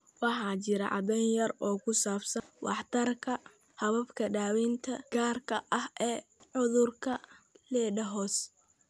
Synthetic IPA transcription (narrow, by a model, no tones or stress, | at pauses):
wɑħɑːt͡ʃɪɾɐ̰ʕɑ̰d̪ɛnjɐrɔːkʰʊsaːbsɐnwɑ̰ħt̪ʰɐrkʰɐ | hɐβɐbkʰɐɖaːwiːnt̪ʰɐɡ̥aːrkʰɐʔɐhɛː | ʕʊðʊrkʰɐlɛːɖɐɦɔːs